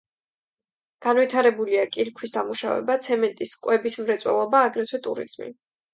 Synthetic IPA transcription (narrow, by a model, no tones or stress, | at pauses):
ɡ̥anvit̪ʰaɾɛbuliakʼiɾkʰwisd̪amuʃa̰vɛ̰bat̪sʰɛmɛnt̪ʼiskʼwɛbismɾɛt̪sʼwɛ̰lˠɔbaːɡɾɛt̪ʰwɛt̪ʼṵɾḭz̥mḭ